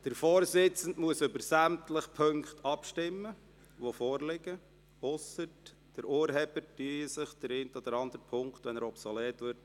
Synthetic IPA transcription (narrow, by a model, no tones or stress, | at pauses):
d̪̥əɾfɔːɾsɪt͡sən̩tmuəsʏbəɾsæmtləχpʰøŋkt̪ʰɑpʃtɪmːə | ʋofɔːɾlɪɡə | ʊsət | d̥əɾʔuəɾɦɛːb̥ətyəsəχd̥əɾent̪ɔd̥̪əɾɑnd̥̪əɾpʰʊŋkχtʋɛnəɾɔpsɔleːtʋɪɾt